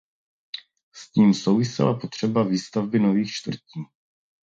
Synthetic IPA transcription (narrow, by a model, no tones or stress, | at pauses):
sciːmso̞wvɪsɪ̰lapo̞t̪r̝̥ɛbaviːst̪avbɪno̞viːxt͡ʃt̪vr̩ciː